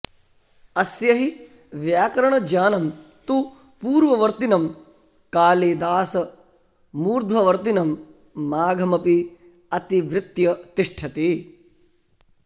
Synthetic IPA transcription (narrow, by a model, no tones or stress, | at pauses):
ɐsjɐɦi | ʋjaːkɐɾɐɳɐd͡ʒaːnɐm | t̪u | puːɾʋɐʋɐɾt̪inɐm | kaːleːd̪aːsɐ | muːɾd̪ʱʋɐʋɐɾt̪inɐmː | aːɡʱɐmɐpi | ɐt̪iʋɾɪt̪jɐt̪iʂʈʰɐt̪eː